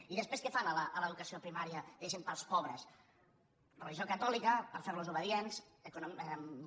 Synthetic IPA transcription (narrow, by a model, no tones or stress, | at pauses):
iðəspɾeskefanələʔːləðukəsiopɾimaɾiəðəʒempəlˠspɔβɾəs | rəliʒiokət̪ɔlikəpəɾfeɾluzuβəðienzəkun